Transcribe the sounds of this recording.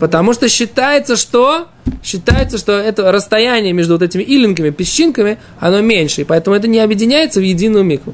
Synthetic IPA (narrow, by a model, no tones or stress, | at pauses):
pət̪ɐmuʂt̪oɕːɪt̪ajɪt̪səʂt̪o̞ | ɕːɪt̪ajɪt̪səʂt̪o̞ɛt̪əɾəst̪ɐjænʲɪjəmʲe̞ʐd̪ʊvot̪ɛtʲɪmʲɪʔilʲɪnkəmʲɪpʲɪɕːinkəmʲɪ | ɐno̞mʲenʲʂɨɪpɐɛt̪əmʊɛt̪ənʲɪɐbjɪdʲɪnʲæjɪt̪səvjɪdʲinːʊjʊmʲiklˠʊ